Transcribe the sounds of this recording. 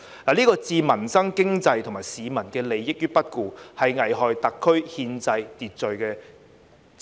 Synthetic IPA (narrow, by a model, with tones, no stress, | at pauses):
laː˨liː˥kɔː˧t͡siː˧mɐ˨˩nsɐ˥ŋkɪ˥ŋt͡sɐ˧jt̪ʰo˨˩ŋmaː˨˩jsiː˨˧mɐ˨˩nkɛː˧le˨˧jːɪ˥k̚jyː˥pɐ˥t̚kuː˨˧hɐ˨jŋɐ˨˩jɦɔː˨jt̪ɐ˨kʰːɵ˥ɥhiː˧nt͡sɐ˧jt̪iː˨t̚t͡ʃɵ˨ɥkɛː˧